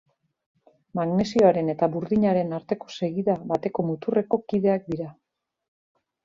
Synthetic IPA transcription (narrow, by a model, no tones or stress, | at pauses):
maɣne̞sio̞aɾe̞ne̞t̪aβuɾðiɲaɾe̞naɾt̪e̞ko̞̥se̞ɣiðaβat̪e̞ko̞mut̪ure̞ko̞kiðe̞ak̚d̪iɾa